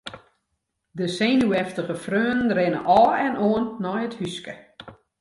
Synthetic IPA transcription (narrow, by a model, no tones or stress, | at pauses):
dəseːnuɛftəχəfrøːənənrɪnə̰ʔɔːɛnʔoənːɔjəthyskə